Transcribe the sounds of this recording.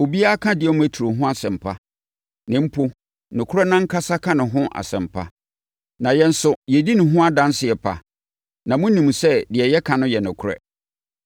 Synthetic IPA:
o˨bi˦a˦kʰã˦dɪ˨ɛ˦mʊ̃˦æ˨tʰu˨ɾo˨ɦʊ̃˦a˦sɛ̃˨m̩˨pʰa˦ | nɪ̃˨˦m̩˦pʰʊ˦ | nʊ̃˨kʰʊ˦ɾɛ˦nã˦ŋ̩˦kʰa˦sa˦kʰã˦nɪ̃˨ɦʊ̃˦ʔa̰˨sɛ̰̃˨m̩˨pʰa̰˦ | nã˨jɛ̃˦˨n̩˦sʊ˨˦jɛ˨di˦nɪ̃˨ɦʊ̃˦a˦dã˦n˦sɪ˨ɛ˨pʰa̰˨ | nã˨mʊ̃˦nĩ˨m˨sɛ˦dɪ˨ɛ˨jɛ˦kʰã˨nʊ̃˦jɛ˨nʊ̃˨kʰʊ˦ɾɛ̰˦

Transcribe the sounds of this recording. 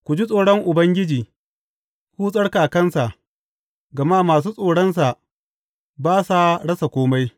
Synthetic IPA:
kʷʊ˨d͡ʒi˦sʼoː˨ɽɔ˦ŋʔʊ˨bɐ˦ŋɡʲɪ˦d͡ʒiː˨ | huː˦sʼɐ˦ɽkaː˨kɐ˦nsa˨ʔ | ɡɐ˨maː˦maː˨s̬uː˦sʼoː˨ɽɐ˦ns̬a˨ʔ | baː˦sa˨ɽɐ˦sa˨kʷoː˦ma˦j

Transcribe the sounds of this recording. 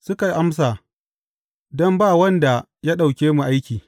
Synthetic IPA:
sʊ˦ka˨jʔa˦ms̬aː˨ | dɔ˦mbaː˦˨wɐ˦nda˨ | ja˦ɗa˨wkʲeː˦mu˨ʔa˦jkʲiː˨

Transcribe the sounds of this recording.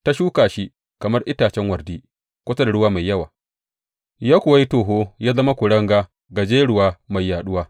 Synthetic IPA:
ta˦ʃuː˦kaː˨ʃi˦ | kɐ˨mɐ˦rʔɪ˦taː˨t͡ʃɛ˦ŋwɐ˨rdiː˦ | kʷʊ˦sa˦da˨ɽʊ˦waː˦ma˨jːɐ˦wa̰ː˨ | jaː˦kʷʊ˨wa˦ji˦toː˨ɦoː˦jaː˦zɐ˦ma˦kʷʊ˨ɽɐ˦ŋɡaː˦ | ɡa˨d͡ʒeː˦ɽʊ˦waː˦ma˨jːaː˨ɗʊ˦waː˦

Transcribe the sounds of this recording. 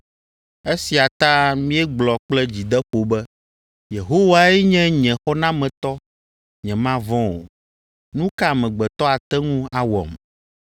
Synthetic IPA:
e˦si˨a˨t̪ã˦mĩ˦ɛ˦ɡ͡blɔ˨k͡plɛ˦d͡ʑi˨d̪ɛ˦ɸo˨bɛ˦ | je˨ɦo˦wa˦ɛ˦ɲɛ̃˦ɲɛ̃˨xɔ˦nã˦mɛ̃˨t̪ɔ˦ | ɲɛ̃˨mã˦vɔ̃˦o̰˨ | nũ˦ka˦˨mɛ̃˨ɡ͡bɛ˨t̪ɔ˦a˨t̪ɛ˦ŋũ˦a˨wɔ̰˨m

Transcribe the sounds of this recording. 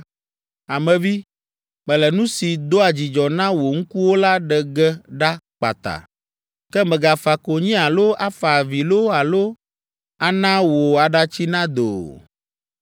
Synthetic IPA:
a˨mɛ̃˨vi˦ | mɛ̃˨lɛ˨nũ˦si˨d̪o˦a˨d͡ʑi˨d͡ʒɔ˨nã˦wo˨ŋ̩˦ku˦wo˦la˦ɖɛ˨ɡɛ˦ɖa˦k͡pa̰˨t̪a̰˨ | kɛ˦mɛ̃˨ɡa˨fa˨ko˨ɲĩ˦a˨lo˦ʔa˦fa˨vi˨lo˦a˨lo˦ | a˨nã˦wo˨a˨ɖa˦t͡ɕi˦nã˦d̪o̰˨

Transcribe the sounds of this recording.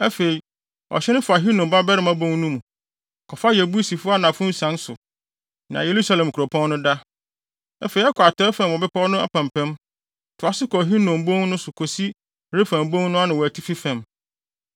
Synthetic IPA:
ɛ˦fe˨i˨ | ɔ̰˨ɕɛ˦nʊ̃˦fʊ˨a˨ɦi˦nɔ̃˨mba˦bɛ˦ɾɪ˨˦mã˦bõ˦ŋ˦nũ˦mũ˨ | kʰɔ˨fa˦jɛ˨bu˦i˦si˨fʊ˦a˦nã˨fʊ̃˦sã˨˦nsʊ˨ | nã˨je˨ɾu˦sa˦lɛ̃˨m˨kʰu˨ɾo˨pʰɔ̃˦nːʊ̃˦da˦ | æ˦fe˨i˨˦ɛ˦kʰɔ˨a˨tʰɔ˦ɛ˦fã˨m˨ɔ˨bɛ˦pa˦ɔ˦nʊ̃˦a̰˦pʰã˨m˨pʰɛ̃˦m | tʰʊ˨a˨sɪ˦kʰɔ˨ɦi˦nɔ̃˨mbõ˦ŋnʊ̃˦sʊ˨kʰo˨si˦ | ɾe˦fæ̃˨m˨bõ˦ŋ˦nʊ̃˦a˦nɪ̃˨wɔ˨æ˨tʰi˦fi˦fɛ̃˨m

